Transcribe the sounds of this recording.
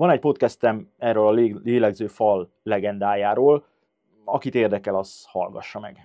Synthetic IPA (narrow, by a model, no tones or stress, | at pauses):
vɒnɛɟ̚po̞t̪̚kɛst̪ɛmɛːrøːlɒlleːlɛɡzøːfɒlː | ɛɡɛnd̪aːjaːɾoːl | ɒkit̪eːrd̪ɛkɛlɒshɒ̰lɡɒ̰ʃːɒmɛ̰ɡ̥